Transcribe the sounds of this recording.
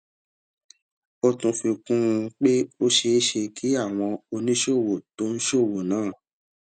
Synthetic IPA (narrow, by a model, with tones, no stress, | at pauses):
o˧tũ˧fi˧kũ˦˧k͡pe˦o˦ʃe˧˦ʃe˧kʰi˨˦a˦˨w̃ɔ̃˧o˧nĩ˦ʃo˦˨wo˨to˦n̩˦ʃo˦˨wo˨nãː˨˦˨